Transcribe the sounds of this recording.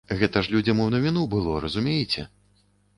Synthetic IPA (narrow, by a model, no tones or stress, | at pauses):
ɣɛt̪ɐʂlʲud͡zʲɐmɨwnɐvʲinubɨlˠɔɾɐzumʲejt͡sʲɛ̰